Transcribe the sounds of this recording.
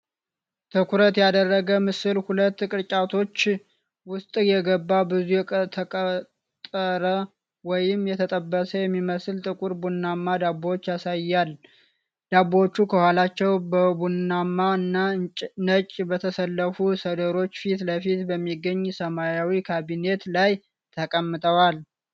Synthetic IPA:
t̪ʰɨkʰuɾət̪jad̪ərːəɡəmɨsɨlhulət̪ːkʼɨɾt͡ʃʼat̪ʰo̞t͡ʃː | wʊst̪ʼjɛɡəbːabɨzujɛt̪ʰəkʼə | t̪ʼːəɾə | wɔjɪmjɛt̪ʰət̪ʼəbːəsəjɛmːiməslt̪ʼɨkʼuɾbunːamːad̪abot͡ʃːjasajːal | d̪abot͡ʃːukʰəhalat͡ʃːɛwbəbunːamːaɨnːanət͡ʃʼbət̪ʰəsəlːəfusəd̪əɾo̞t͡ʃːfit̪ləfit̪bəmːiɡːəɲːsəmajawikʰaβine̞t̪laj | t̪ʰəkʼəmːɨt̪ʼʰəwal

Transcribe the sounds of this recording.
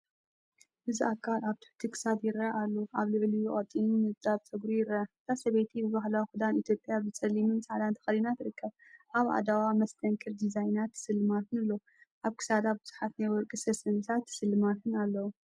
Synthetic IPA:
bɨziʔakʰːalaβt̪ʰɨ̥ħt̪ʰikʰɨ̥sad̪jɪɾɐʔalːoʔaβlɨʕlijuχʼɐt̪ʼːinumɨzd̪ʼaβt̪ʰɐɡɾujɪɾɐɨt̪ʰasɐβejt̪ʰibɨβaɦlawixud̪anit̪ʰjo̞pʼjabɨsʼɐlimɨnsʼaʕd̪ant̪ʰɐ̥xɐlinat̪ɾɨkʰːɐβ | ʔaβʔa̰d̪awamɐst̪ʰɐŋkʰɨɾd̪izajnat̪ʰːɨ̥sɨlːɨmat̪ʰɨnɨlːo | ʔaβkʰɨ̥sad̪abɨz̥uħat̪najwɔɾkʼɨsɐsɐnɨt̪ʰat̪ʰːɨ̥sɨlːɨmat̪ʰɨnalːɐwu

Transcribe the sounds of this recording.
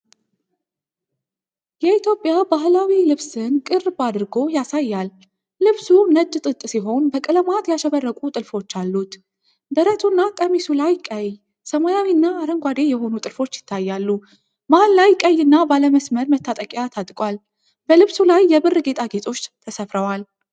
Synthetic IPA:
jɛit̪ʰjo̞pʼːjabaɦlawilɨβsɨnkʼɨrbad̪ɨɾɡo̞jasajːalː | ɨβsunəd͡ʒːt̪ʼɨt̪ʼːsiɦo̞nbəkʼɨləmat̪jaʃɛβərːəkʷʼut̪ʼɨlfo̞t͡ʃːalːut̪ | d̪əɾət̪ʰunːakʼəmisulajkʼəj | səmajawinːaːɾəŋɡʷad̪e̞jɛho̞nut̪ʼɨlfo̞t͡ʃːjɪt̪ʰːajːalːu | mallajkʼəjːɨnːabaləməsməɾmət̪ʰːat̪ʼəkʼjat̪ʰat̪ʼkʼwal | b̥əlɨβsulajːɛbɨrːɨɡe̞t̪ʼaɡe̞t̪ʼo̞t͡ʃːt̪ʰəsəfɾəwal

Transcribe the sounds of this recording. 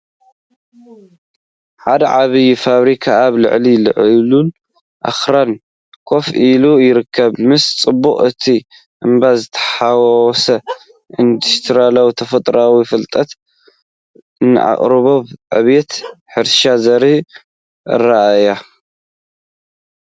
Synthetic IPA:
ħad̪ɐʕaβijfaβɾikʰaːβlɨ̰ʕlilɨ̰ʕlun | ʔa̰xɾan | kʰo̞filujɪɾɨkʰːɐβmɨst͡sʼɨbːuχʼɨt̪ʰi | ʔɨmbazɨt̪ʰɐ̥ħawsɐ | ʔind̪ust̪ʰɾalawit̪ʰɐfɐt̪ʼɾawifɨlt̪ʼɐt̪ | ɨnɨ̰ʔa̰χʼɾɨβoβʕɨ̰βet̪ħɨɾʃazɐɾi | ʔɨ̰raʔaja

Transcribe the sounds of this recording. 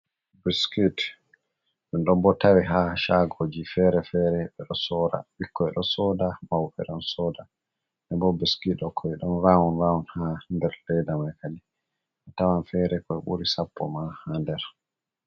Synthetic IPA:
biskit | ɗɛnɗɔmbɔtawiɦaʃaɡod͡ʒifɛɾɛfɛɾɛɓɛɗɔsɔːɾa̰ɓikʰːɔɛɗɔsɔdamawfɛ̰ɗɔnsɔːda | ʔɛbɔbiskitːɔkʰɔɛɗɔnɾawɔnɾawɔnhandɛɾlɛjdamajkali | ɓɛtawanfɛɾɛkɔɛɓṵɾisapːɔmahandɛɾ

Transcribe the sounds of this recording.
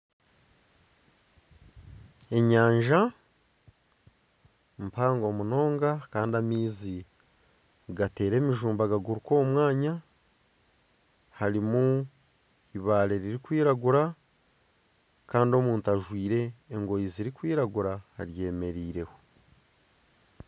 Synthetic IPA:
e̞ɲaːɲʒa | mpaːŋɡo̞ːmuno̞ːŋɡakaːndiamiːzi | ɡate̞ːɾe̞ːmiʒuːmbaɡaɡuɾuko̞ːmwaːɲa | haɾimu | iβaːɾe̞ɾiɾikwiːɾaɡuɾa | kaːndio̞muːntaʒwiːɾe̞ːŋɡo̞jiziɾikwiːɾaɡuɾaha̰ɾje̞ːme̞ɾiːɾe̞ho

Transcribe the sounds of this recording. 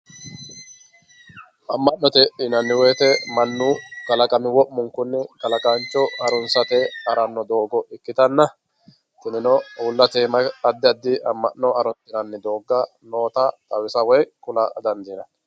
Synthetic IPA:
ʔɐmːɐʔnɔt̪ɛʔɪnɐnːɪwɛːt̪ɛmɐnːuːkɐlɐkʼɐmɪwɔʔmʊŋkʊnːɛkɐlɐkʼɐnt͡ʃːɔɐɾɔnsɐt̪ɛɐɾɐnːɔd̪o̞ːɡɔʔɪkːɪt̪ɐnːɐ | t̪ɪnɪnɔːlːɐt̪eːmɐɐd̪ːɪɐd̪ːɪʔɐmːɐ̰ʔnːɔɐɾɔt̪ːɪnɐnːɪd̪o̞ːɡːɐ | no̞ːt̪ɐt̪ɐwɪsɐwɔjkʊlɐd̪ɐnd̪inɐn

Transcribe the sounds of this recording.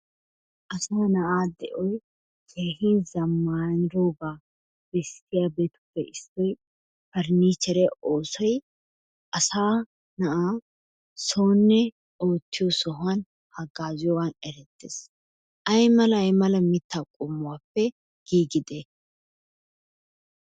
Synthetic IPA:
ʔɐsaːnɐʔaːd̪ɛʔɔj | kʰeːɦinzɐmːaːnɪɾoːbaː | b̥ɛst̪ːɪjaːbeːt̪ʊ̥pːɛʔɪstɔj | fɐɾniːt͡ʃːɛɾɛʔoːsɔj | ʔɐsaː | nɐʔaː | so̞ːnːɛ | o̞ːt̪ːɪjɔsɔɦʊan | hɐɡːaːzɪjɔwanɛɾɛt̪ːḛːs | ʔɐjmɐlɐjmɐlɐmɪt̪ːaːkʼʊmːʊwaːpːɛ | ɡ̥iːɡɪd̪e

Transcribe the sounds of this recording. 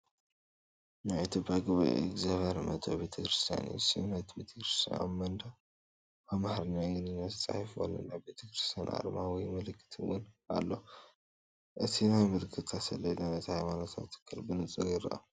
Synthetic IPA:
najʔɨt̪ʰjopʰːjaɡɨβa̰ʔḛɡzaβɐɾmɐ̰t̪ʰobe̞t̪ʰɐkɾɨst̪ʰija̰nḭsɨnɐt̪bet̪ʰɐ̥kɾɨst̪ʰḭa̰mɐnd̪a | amaħɾɨnajɨnɨnːat̪t͡sʼa̰ħfwo̰lːo̰nabe̞t̪ʰɐkɾɨ̥st̪ʰija̰nʔa̰ɾmawijmɐlɨkʰːɨ̥t̪ʰɨwʊnʔa̰lːo | ʔɨt̪ʰinajmɨlɨkʰːɨt̪ʰːasɐlːɐlɐnɐt̪hajmanot̪ʰa̰t̪ʰːɨ̥kʰːɨlbɨnɨt͡sʼɨɣiɾɐ̰ʔɐ̰

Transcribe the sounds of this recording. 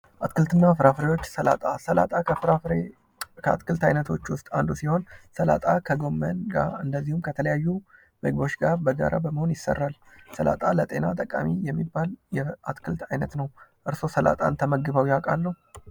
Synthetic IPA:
ʔat̪kɨlt̪ʰɨnːafɨɾafɾewo̞t͡ʃːsəla̰t̪ʼasəla̰t̪ʼa | a̰t̪kʰɨlt̪ʰajnət̪ʰo̞t͡ʃːwʊst̪ʼand̪usiho̞nsəla̰t̪ʼakʰəɡo̞mːənɡa̰ɨnd̪əzːihumkʰət̪ʰələjajːu | məɡ̚bo̞t͡ʃːɡaɾbəɡa̰ɾʔa̰bəməho̞njɪsːə̰rːal | səla̰t̪ʼalət̪ʼe̞nat̪ʼəkʼa̰mijɛmːibːaljɛat̪kʰɨlt̪ʰajnət̪nəwʔɨɾso̞səla̰t̪ʼa̰nt̪ʰəməɡɨβəwjakʼalːəhu

